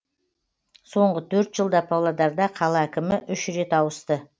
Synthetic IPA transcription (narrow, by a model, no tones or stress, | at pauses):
so̞ɴʁət̪ʰɵɾt̪ʒ̥əlˠd̪ɑpʰɑwlˠɑd̪ɑɾd̪ɑqʰɑlˠɑækʲɪmɪʔʏʃɾe̞t̪ɑwəst̪ə